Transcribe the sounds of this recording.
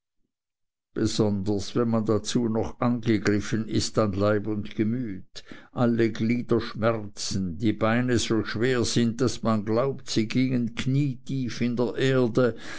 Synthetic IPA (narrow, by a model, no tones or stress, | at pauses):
b̥əzɔndəsvɛnmandat͡suːnɔχanɡəɡrɪfənɪstanlaɪbʊndɡəmyːtʔalːəɡliːd̥əʃmɛʁt͡sn̩diːbaɪnəzoːʃv̥eːɐz̥ɪnd̚d̥asmanɡlaʊptsiːɡiːŋənkʰniːtʰiːfɪndeːɐʔeːɐdə